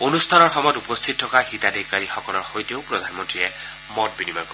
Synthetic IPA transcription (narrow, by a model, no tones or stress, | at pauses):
onust̪ʰanɔɹxɔmɔjɔtupɔst̪ʰit̚tʰːɔkaxitadikaɹixɔkɔlɔɹxojtijoʊpɹodʱanmɔntɹiɛ | mɔt̚binima̰kɔ